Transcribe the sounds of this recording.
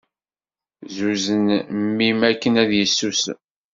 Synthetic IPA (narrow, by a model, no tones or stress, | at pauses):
zuzənmːimækːənæðjəsːus